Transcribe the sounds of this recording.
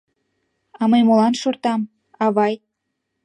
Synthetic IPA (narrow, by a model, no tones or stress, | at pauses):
ɑməjmolɑnʃort̪ɑm | ɑβɑj